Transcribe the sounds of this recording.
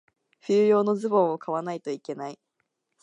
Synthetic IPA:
ɸɨːjo̞ːno̞zɨbõ̞ɰ̃okaβanait̪o̞ike̞nai

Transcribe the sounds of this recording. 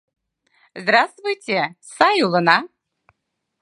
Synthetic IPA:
zd̪ɾast̪vʊjtʲɛsajulˠɤna

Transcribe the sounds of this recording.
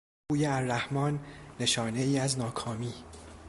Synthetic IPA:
uːjeæɾːæhmɒːnːe̞ʃɒːne̞iːæznɒːkʰɒːmiː

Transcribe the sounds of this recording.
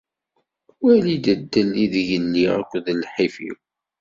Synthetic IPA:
wælid̪əd̪ːəlːiðəʝənːiæ̰kʷːðlħifḭw

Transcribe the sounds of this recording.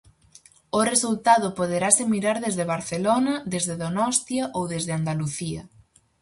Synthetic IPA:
ʊresult̪aðʊpoðeɾasɪmiɾaɾðezðeβ̞aɾθelonɐðezðeðonɔst̪jaʔowðezðɪand̪aluθiɐ̰

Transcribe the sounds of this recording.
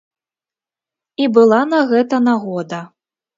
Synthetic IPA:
ibɨlˠanɐɣɛt̪ɐnaɣɔd̪ɐ

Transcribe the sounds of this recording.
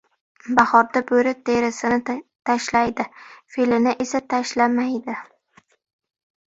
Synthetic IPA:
baχɒɾd̪abɵɾɪt̪ʰeɾɪsɪnɪt̪ʰaʃlajd̪ɪfelɪnɪʔesat̪ʰaʃlamajd̪ɪ

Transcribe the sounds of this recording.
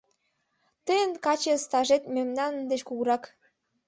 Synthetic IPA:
t̪əjənkɑt͡ɕest̪ɑʒet̪mʲemnɑnənd̪et͡ɕkuɣɾɑk

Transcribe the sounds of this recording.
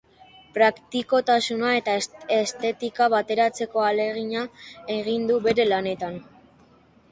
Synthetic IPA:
pɾakt̪iko̞t̪asunae̞t̪aest̪e̞t̪ikaβat̪e̞ɾat͡se̞ko̞ale̞ɣ̞iɲae̞ɣ̞ind̪uβe̞ɾe̞lane̞t̪an

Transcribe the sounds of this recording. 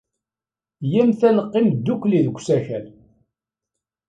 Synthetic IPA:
jæmθænəqːimd̪ːukːliðɡʷsæçæl

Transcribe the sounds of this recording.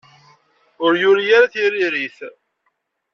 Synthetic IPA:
ʊɾjʊɾijaɾaθiɾiɾiθ

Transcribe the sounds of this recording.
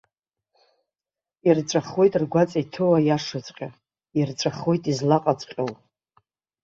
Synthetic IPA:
irt͡ʃʷʼaχwo̞jtʼrɡʷat͡sʼajtʰɨwajaʂɨt͡sʼqʲʼa | irt͡ʃʷʼaχwo̞jtʼizlaqʼat͡sʷʼqʲʼowʼ

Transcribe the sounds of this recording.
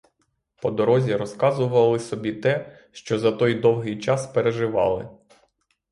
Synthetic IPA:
pɔd̪ɔɾɔzʲiɾɔskɑzʊʋɐlˠɪsɔbʲit̪ɛ | ʃt͡ʃɔzɐt̪ɔjd̪ɔwɦɪjt͡ʃɑspeɾeʒɪʋɑ̰lˠɪ

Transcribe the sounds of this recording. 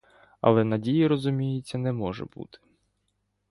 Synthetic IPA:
ɐ̰lˠɛnɐdʲijiɾɔzʊmʲijɪt͡sʲːɐnɛmɔʒɛ̰bṵt̪ɪ̥

